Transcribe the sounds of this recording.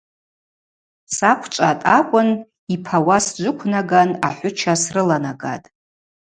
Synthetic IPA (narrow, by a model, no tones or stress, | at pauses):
sakʷʰt͡ʃʷʼatʼakʷʼʊn | ipʰawasd͡ʒʷʊkʷʰnaɡanaħʷʊt͡ʃʰasrɨlanaɡa̰tʼ